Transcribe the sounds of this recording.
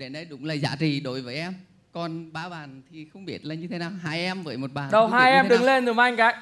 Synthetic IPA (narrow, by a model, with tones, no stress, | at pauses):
ɗe˧˩nə˧jɗʊ̰˧˥˦ŋ͡mlaː˨˩za̰ː˧˨˦t͡ɕḭ˨ɗo̰˧˦jvəː˨˦jʔɛ˧m | kɔ˨˩nɓaː˧˦ɓaː˨˩nt̪ʰi˨˩xə˧wŋ͡mɓi˦˥ət̚laː˨˩ɲɨ˧t̪ʰe˨˦naː˨˩wɦaː˧jʔɛ˧mvəː˨˦jmo˨˩t̚ɓaː˨˩nɗə˨˩wɦaː˧jʔɛ˧mɗɨ˨˩˨ŋle˧nɨ˨˩˦mʔa˧jŋ̟ɣaː˨˦j